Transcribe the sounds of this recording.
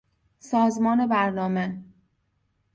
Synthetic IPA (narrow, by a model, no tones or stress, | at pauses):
sɒːzmɒːne̞bæɾnɒːme